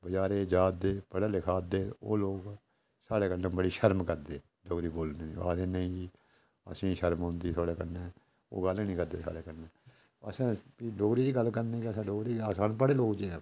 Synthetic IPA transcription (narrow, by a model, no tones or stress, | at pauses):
bəd͡ʒaːɾeːd͡ʒaːd̪eːpəɽaːlɪkʰaːd̪eːo̰ːloːk | saːɽeːkəɾnẽːbəɽiːʃəɾmkəɾd̪eː | ɖoːɡɾiːboːlneːniːa̰ːɾeːnəĩː | ə̰sĩːʃəɾmɦõːnd̪iːt̪ʰaːɽeːkəneː | o̰ːɡəlnĩːkəɾd̪eːsa̰ːɽeːkəɾneː | əsãːiɖoːɡɾiːd̪iːɡəlkəɾneːkəsãːɖoːɡɾiːaːsãːnpəɽeːloːkt͡ʃe